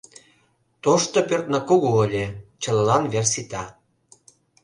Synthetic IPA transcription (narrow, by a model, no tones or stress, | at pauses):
t̪oʃt̪opørt̪nɑkoɣoːlʲet͡ɕə̆llɑnversit̪ɑ